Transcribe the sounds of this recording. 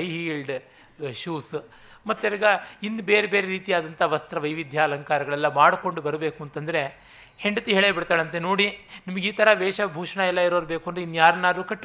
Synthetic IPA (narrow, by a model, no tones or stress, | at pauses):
jɦiːlɖ | ʂuːs | mɐt̪ːɐɾiɡɐinːubeːɾebeːɾeɾiːt̪ijaːd̪ɐnt̪ʰɐʋɐst̪ɾɐʋɐjʋid̪ʱjaːlɐŋkaːɾɐɡɐɭɛlːɐmaːɽko̞ɳɖubɐɾbeːkuɐnt̪ɐnd̪ɐɾe̞ | heɳɖɐt̪iɦeːɭeːbiɽt̪aːɭɐnt̪enoːɽinimɐɡiːt̪ʰɐɾɐʋɛːʂɐbʱuːʂɐɳɐɛlːɐiɾoːɾbeːkuɐnd̪ɾeinːujaːɾɐnaːɾuːkɐʈː